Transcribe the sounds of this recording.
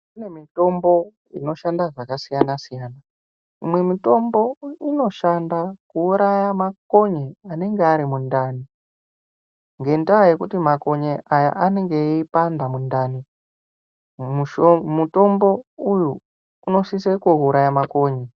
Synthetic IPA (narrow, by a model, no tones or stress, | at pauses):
une̞mito̞mbo̞ | ḭno̞ʃandaʐakasijanasijaːna | imwe̞mito̞mbo̞ino̞ʃandakuːɾajamako̞ɲeane̞ŋɡeaɾimundaːni | ŋɡe̞ndawaje̞kutimako̞ɲeʔaja̰ʔaneŋɡe̞ipandamundaːni | muto̞mbo̞uju | uno̞sisekouɾajamako̞ːɲe